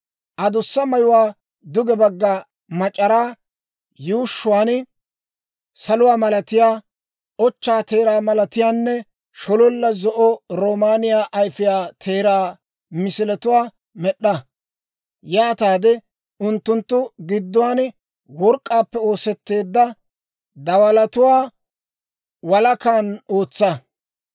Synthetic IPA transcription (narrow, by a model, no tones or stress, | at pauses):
ʔɐd̪ʊsːɐmɐjʊwaː | d̪ʊɡɛbɐɡːaː | mɐt͡ʃʼːɐɾaː | juːʃːʊwaːn | sɐlʊwaːmɐlɐt̪ɪjaː | ʔɔt͡ʃːaːt̪e̞ːɾaːmɐlɐt̪ɪjaːnːɛ | ʃɔlɔlːɐzɔʔɔɾoːmaːnɪjaːʔɐjfɪjaːt̪ʰeːɾaː | mɪsɪlɛt̪ʊwaː | mɛɗːɐ | jaːt̪aːd̪ɛ | ʊnt̪ːʊnt̪ːʊɡɪd̪ːʊwaːn | wɔɾkʼːaːpːɛo̞ːsɛt̪ːe̞ːd̪ːɐ | d̪ɐwɐlɐt̪ʊwaː | wɐlɐkaːno̞ːt͡sːɐ